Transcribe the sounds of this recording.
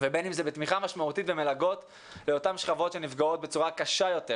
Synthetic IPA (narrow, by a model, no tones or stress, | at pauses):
vebe̞nimzebet̪miχamaʃmaut̪itveme̞laɡo̞t̪ | leo̞tamʃχavo̞tʃe̞nifɡao̞t̚be̞t͡suʁakaʃajo̞te̞